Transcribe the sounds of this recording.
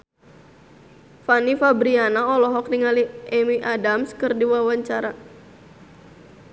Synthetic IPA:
fanifabɾianaɔlɔɦɔk̚diŋaliʔɛmiʔadamskɨrdiwawaɲt͡ʃaɾa

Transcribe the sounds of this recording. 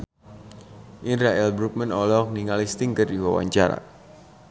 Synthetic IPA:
ʔinraɛlbɾuk̚mɛnɔlɔk̚niŋalist̪ɪŋkərdiwawa̰ɲt͡ʃaɾa̰

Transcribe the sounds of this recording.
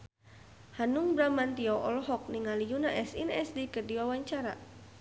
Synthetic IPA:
hanuŋbɾamant̪iɔʔɔ̰lɔɦɔk̚niŋalijunaʔɛsinɛsdikərdiwawaɲt͡ʃaɾa̰

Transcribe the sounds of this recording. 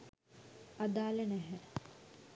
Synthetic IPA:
ad̪aːlənæɦɛ

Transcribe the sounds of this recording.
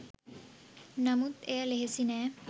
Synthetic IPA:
nɐmut̪eɐleɦesinɛ

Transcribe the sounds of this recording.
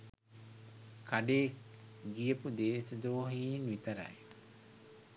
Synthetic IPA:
kʰɐɖeːɡijəpud̪eːsɐd̪oːɦiːnʋit̪ɐɾɐ̰j

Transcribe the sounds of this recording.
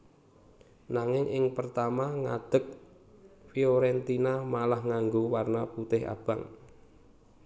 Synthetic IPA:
naŋɪŋʔɪŋpərt̪amaŋa̰d̪̥ək̚ | fioɾɛnt̪inamalahŋaŋɡowarnaput̪ɪɦa̰b̥a̰ŋ

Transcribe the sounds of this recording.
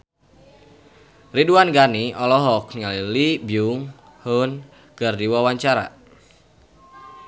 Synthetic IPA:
riduanɡaniɔlɔɦɔk̚ŋalilibiuŋ | hʊn | kərdiwawaɲt͡ʃaɾa̰

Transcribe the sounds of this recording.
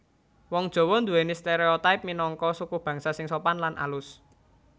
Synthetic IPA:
wɔŋd̥ʒ̥o̤wɔnd̪uwenist̪eɾeot̪aɪp̚minɔŋkɔsukʊb̥ä̤ŋsasɪŋsopanlanʔa̰lʊs

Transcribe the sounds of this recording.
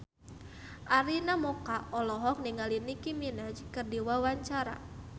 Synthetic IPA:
ʔaɾinamɔkaɔlɔɦɔk̚niŋalinikiminad͡ʒkərdiwawaɲt͡ʃaɾa̰

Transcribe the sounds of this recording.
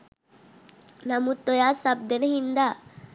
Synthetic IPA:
nɐmut̪ːɔjaːsɐb̚d̪ɐnɐɦind̪a

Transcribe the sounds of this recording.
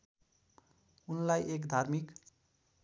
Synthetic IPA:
unlajekd̪ʱarmik

